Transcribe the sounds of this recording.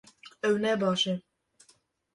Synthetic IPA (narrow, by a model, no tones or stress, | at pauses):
ɛwnɛbɑʃe